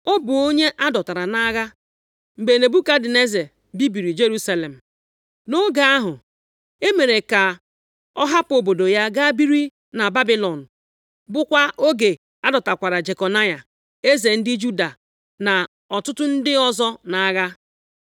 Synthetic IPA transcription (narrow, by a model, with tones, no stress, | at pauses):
o˦bʊ˨o˦ɲe˦ʔa˦dɔ˨ta˨ɾa˨na˦ɣa˦ | ŋ͡m̩˨ɡ͡be˨ne˨bu˦ka˦dɪ˨ne˦ze˨ | bi˦bi˨ɾi˨d͡ʒe˦ɾu˦sa˦le˨m̩˨ | no˦ɡa˦a˦ɦʊ˨ | e˦me˨ɾe˨ka˨ | ɔ˦ɦa˦po˨bo˨do˨ja˦ɡa˦bi˦ɾi˦ | na˨ba˦bi˦lɔ˨n̩˨ | bʊ˦kʷa˦o˦ɡe˨ | a˦dɔ˨ta˨kʷa˨ɾa˨d͡ʒe˨kɔ˨na˦ja˨ | e˦ze˨n̩˦dɪ˦d͡ʒu˦da˨ | na˨ | ɔ˨tʊ˦tʊ˦n̩˦dɪ˦ɔ˦zɔ˦na˨˦ɣa˦